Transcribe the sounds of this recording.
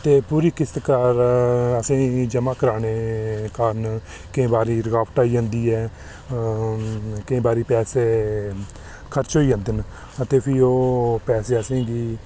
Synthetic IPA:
t̪eːpuːɾiːkɪst̪kəɾəsẽːd͡ʒəmãːkəɾaːneːkaːɾn | kɪẽːbaːɾiːɾəɡaːpʈaːiːãːnd̪iːɛː | kɪẽːbaːɾiːpɛːseː | kʰəɾt͡ʃɦoːiːə̃ːnd̪ɪn | ət̪eːpʰiːoːpɛːseːəsẽːɡiː

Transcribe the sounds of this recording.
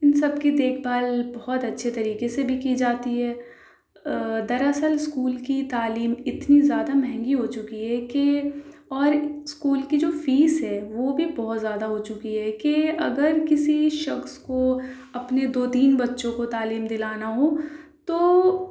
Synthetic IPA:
ɪnsɐbkid̪eːkʰbaːlbɔɦɔt̪ɐtːʃʰet̪ɐɾiːkesebʱikid͡ʒaːt̪iɦɛː | d̪ɐɾɐsəlɪskuːlkit̪aːliːmɪt̪nizjaːd̪amɛɦɛ̃ŋɡiɦot͡ʃʊkiɦɛːkeɔːɾskuːlkid͡ʒoːfiːsɦɛːʋobʱibɔɦɔt̪zjaːd̪aɦot͡ʃʊkiɦɛkeɐ̰ɡəɾkɪsiʃɐxsko | ɐpned̪oːt̪iːnbɐtːʃõkot̪aːliːmd̪ɪlaːnaɦot̪oː

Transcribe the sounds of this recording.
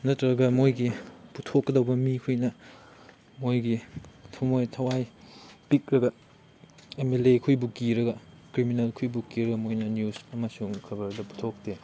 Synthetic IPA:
nɐtɾɐɡɐmojɡiputʰokːɐdɐwbɐmikʰujnɐ | mojɡitʰumojtʰɐwajpik̚ɾɐɡɐ | emelekʰujbukiɾɐɡɐkɾiminɐlkʰujbukiɾɐɡɐmojnɐniusɐmɐsuŋkʰɐbɐɾdɐpu̥tʰok̚te

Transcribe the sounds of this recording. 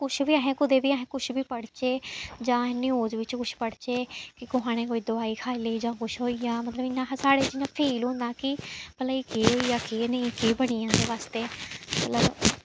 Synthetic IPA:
kʊt͡ʃʰbiːaːɦẽːkʊd̪eːbiːaːɦẽːkʊt͡ʃʰbiːpəɽt͡ʃeːd͡ʒãːɪnːĩːoːd͡ʒʋɪt͡ʃkʊt͡ʃʰpəɽt͡ʃeːkɪkʊɦaːɽ̃ẽːkoːiːd̪ʊaːiːkʰaːiləiːd͡ʒãːkʊʃʰɦoːijaːmət̪ləbɪnːãːsaːɽeːd͡ʒɪnːãːpʰiːlɦõːnd̪aːkɪpələ̃ikeːɦoːijaːkeːnəĩkeːbəɽ̃ijãːd̪eːʋaːst̪eːmmət̪ləb

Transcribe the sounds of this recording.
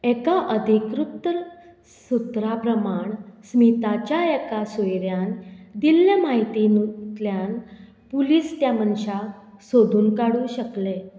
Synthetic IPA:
ɛkaʔəd̪ʱikɾup̚t̪ɾ | sut̪ɾapɾəmaɳsmit̪at͡ɕjaekasojɾjand̪ilːjamaɦit̪inut̪ljan | puliːst̪jamənɕasod̪ʱuːnkaɽũːɕəkle

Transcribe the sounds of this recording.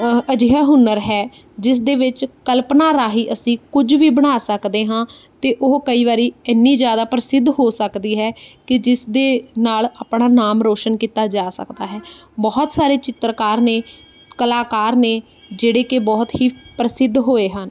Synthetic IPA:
əd͡ʒiɦaːɦʊnːəɾɦɛː | d͡ʒɪsd̪eːʋɪt͡ʃkəlpnaːɾaːɦiːʔəsĩːkʊd͡ʒʋiːbəɽ̃aːsəkd̪eːɦãː | t̪eːʔʊɦkəiːʋaːɾiːɛːnːiːd͡ʒjaːd̪aːpɾəsɪd̪ʱɦoːsəkd̪iːɦɛːkɪd͡ʒɪsd̪eːnaːlaːpɽaːnaːmɾoːʃənkiːt̪aːd͡ʒaːsə̰kd̪aːɦɛː | bɔːt̪saːɾeːt͡ʃɪt̪ɾəkaːɾneː | kəlaːkaːɾneː | d͡ʒeːɽeːkebɔːt̪ɦiːpɾəsɪd̪ʱːɦoːeːɦən

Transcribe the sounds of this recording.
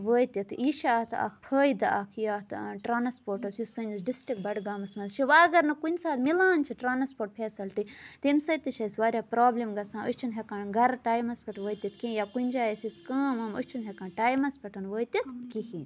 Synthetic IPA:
ʋəːt̪ʲit̪ʰiːʃaːt̪ɐ̰kʰpʰəːjd̪ɐkʰjaːt̪ʈɾaːnɐspoːɾʈɐsjusɐnisɖisʈɾik̚bɐɖɡaːmɐsmɐzʃʰiʋaːɾɡɐɾnɐkunʲsaːt̪milaːnt͡ʃʰiʈɾaːnɐspoːʈ̚pʰeːsɐlʈ̪it̪emsɐjt̪ɨʃɐsʋaːɾʲjaːpɾaːblimɡɐsãːəʃt͡ʃʰinɦʲekaːɳɡɐɾʈaːjmɐspʰɐʈʋəːjt̪ʲɐt̪ʰkẽːjaːkunʲd͡ʒaːesiskɐːmɐmə̰t͡ʃʰinɦʲekaːɳʈaːjmɐspʰɐʈɐnʋəːjt̪ʲit̪ʰkihinʲ

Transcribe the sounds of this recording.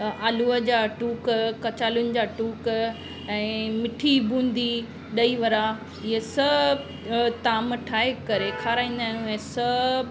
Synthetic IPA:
aːluəd͡ʑaːʈuːkkɐt͡ɕaːlʊnɪ̆d͡ʑaːʈuːk | ɛ̃ːmɪʈʰibũːnd̪ʱi | ɗɐiʋɐɾa | ɪɦesɐ | t̪aːmʈʰaːɦekɐɾekʰaːɾaːĩːn̆d̪aːjũɛ̃ːsɐ

